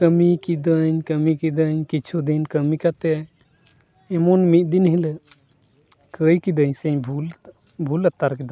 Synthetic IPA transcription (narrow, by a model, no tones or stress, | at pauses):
kəmikid̪əɲkəmikid̪əɲkit͡ʃʰud̪inkəmikat̪ɛ | ɛmɔnmit̪̚ˀd̪inɦilə | kəjkid̪əɲsɛɲbʱul | bʱulət̪aɾkid̪a